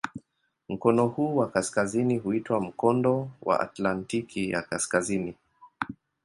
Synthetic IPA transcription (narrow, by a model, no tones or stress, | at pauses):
m̩kɔnɔhuːwakaskaziniɦuitwam̩kɔndɔwa̰ʔa̰tlantikʰija̰kaskazini